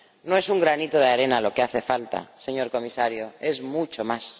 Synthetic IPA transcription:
no̞e̞suŋɡɾanit̪o̞ð̞eaɾe̞nalo̞keaθe̞falt̪a̰se̞ɲo̞ɾko̞misaɾjoe̞zmut͡ʃo̞mas

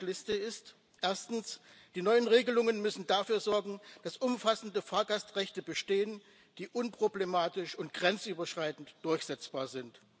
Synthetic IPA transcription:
lɪstəɪst | ʔeːɐstn̩sd̥iːnɔʏənʁeːɡəlʊŋənmʏsn̩dafyːɐzɔɐɡŋ̩d̥asʔʊmfasn̩dəfaːɐɡastʁɛçtəbəʃteːən | d̥iːʔʊnpʁ̥oblemaːtɪʃʊnt̚ɡ̥ʁɛnt͡sʔyːbɐʃʁ̥aɪtn̩td̥ʊɐçz̥ɛt͡sb̥aːɐzɪnt

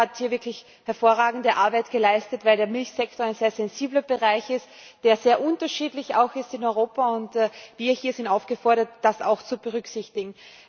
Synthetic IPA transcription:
athiːɐvɪɐkʰlɪç | hɛɐfoːɐʁaːɡŋ̩dəʔaɐbaɪtɡ̥əlaɪstətvaɪldeːɐmɪlçsɛktoɐaɪnz̥eːɐzɛnziːblɐbəʁaɪçɪst | d̥eːɐz̥eːɐʔʊntɐʃiːdlɪça̰ʊxɪstɪnɔʏʁoːpaʊntːviːɐhiːɐzɪntaʊfɡ̥əfɔɐɾɐtd̥asa̰ʊxt͡subəʁʏksɪçtɪɡŋ̩

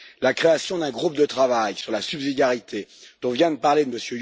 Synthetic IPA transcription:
lakχeasjɔ̃d̪ɛ̃ɡʁupd̪ət̪χavajsyʁlasybzid̪jaʁit̪ʰed̪̥ɔ̃vjɛ̃d̪əpaʁled̪əməsjø

